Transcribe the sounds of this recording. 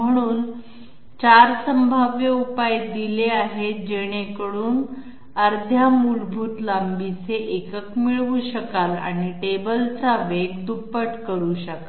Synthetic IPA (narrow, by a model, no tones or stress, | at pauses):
m̤əɽ̃uːn | t͡ɕaɾsəmbʱaʋjəupajd̪ileaɦed͡ʑeɽ̃ekəɽuːn | əɾd̪ʱjamulbʱuːt̪lambit͡seʔekəkmiɭʋuɕəkala̰ɽ̃iʈebəlt͡saʋeɡd̪upːəʈkəɾuːɕəka